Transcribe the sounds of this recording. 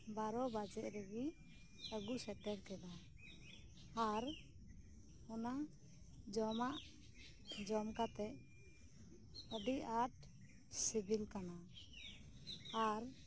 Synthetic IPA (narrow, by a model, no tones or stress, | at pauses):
baɾɔbad͡ʒɛʔɾəɡi | əɡusɛʈɛɾkɛla | ɾ | ɔna | d͡ʒɔmaʔ | d͡ʒɔmkat̪ɛʔ | əɖiʔaʈ | sibʱilkana | ɾ